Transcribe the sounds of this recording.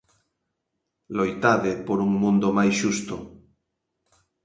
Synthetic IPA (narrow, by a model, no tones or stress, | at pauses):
lojt̪aðepoɾuŋmũnd̪omajsʃust̪o